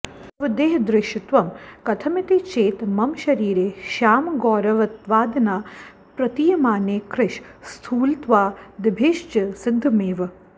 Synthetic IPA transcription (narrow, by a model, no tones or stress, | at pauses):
t̪ɐʋɐd̪eːɦd̪ɾɪʃɪt̪ʋɐmkɐt̪ʰɐmɪt̪et͡ʃeːt̪mɐmʃɐɾiːɾeːʃaːmɡɔːɾɐʋɐt̪ʋaːd̪ɐnaː | pɾɐt̪iːjɐmaːneːkɾɪʃst̪ʰuːlt̪ʋaːd̪ɪbʱeːʃt͡ʃɐsɪd̪ʱːmeːʋɐ